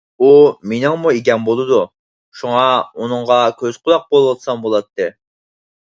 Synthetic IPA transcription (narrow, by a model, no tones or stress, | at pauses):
umenɪŋmuekʲɛnbolˠɨd̪u | ʃuŋɑunɨŋʁɑkʲʰøzqʰʊlˠɑq̚bolˠwɑlsɑmbolˠɑt̪ʰːɨ